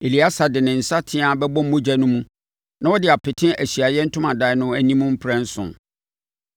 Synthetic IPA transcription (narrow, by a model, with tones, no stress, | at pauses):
e˨li˨a˦sa˨dɪ˨nɪ̃˨n̩˨sa˦tʰɪ̃˦ã˨bɛ˦bɔ̃˦m̩˦mʊ̃˦d͡ʑæ˨nʊ̃˦mũ˦ | nã˦wɔ˦dɪ˨a˨pʰɪ˨tʰɪ̃˦ʔæ˨ɕi˨a˨jɛ˦n̩˦tʰʊ̃˦mã˨da˨ɪ˨˦nʊ̃˦æ˦nĩ˦mũ˦m̩˦pʰɾɛ̃˦n˦sʊ̰̃˨